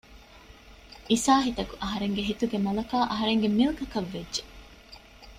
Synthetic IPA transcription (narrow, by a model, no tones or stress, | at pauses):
isaːɦit̪ɐkuʔɐɦɐɾeŋɡeɦit̪uɡemɐlɐkaːʔɐɦɐɾeŋɡemilkɐkɐʋːedʒe